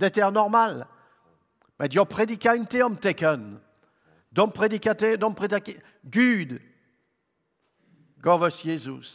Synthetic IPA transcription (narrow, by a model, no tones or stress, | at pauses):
d̪ɛt̪ɛʁnɔʁmal | mɛd̪jɔ̃pχed̪ikʲaynt̪eɔ̃mt̪ekən | d̪ɔ̃mpχed̪ikat̪ɛd̪ɔ̃mpχed̪ak | ɡyd̪ | ɡɔvɔsjezus